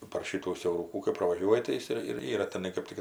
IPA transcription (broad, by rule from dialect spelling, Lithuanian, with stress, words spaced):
pɐr ˈʃʲɪtuː sʲɛʊˈruːkuː kɐɪ prɐʋɐˈʒʲuɔjɪ tɐɪ ˈjɪs ɪr ɪr ˈiːrɐ tʲɛˈnɐɪ kɜp ˈtʲɪk